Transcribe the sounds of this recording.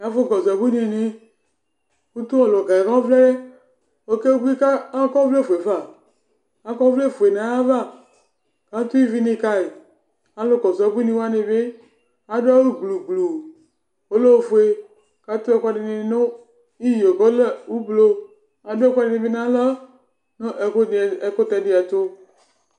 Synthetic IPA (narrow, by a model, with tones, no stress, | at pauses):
ja˦vo˦˨ɡɔ˨za˨bu˦n˦˨ne˨˦ | ku˦t̪u˦ɔ˨lo˨ɡa˨ɛ˨ka˦o˦vle˦ | wo˦ke˦wo˦bi˦ka˦kɔ˦vle˦˨fo˨e˨va˨ | a˦kɔ˦vle˦˨fo˨e˨nã˨˦ja˦va˦˨ | ka˦t̪u˦i˦vi˦ne˧ka˦e˨ | a˨lo˦ɡɔ˨za˨˦bu˦nĩ˦wa˦ne˨be˦ | a˦do˦a˦wo˦u˦blu˨blu˨ | wo˦lo˦wo˨fo˨e˨ | ka˦t̪o˦ɛ˨ka˦ɖe˨nẽ˨˦no˦ | i˦ji˨o˨ɡɔ˦lwu˦blo˨ | a˨dkʷa˦de˨nẽ˨be˦nã˦lɔ˦ | no˦ʔe˨ko˦t̪ɛ˨de˨a˨t̪o˦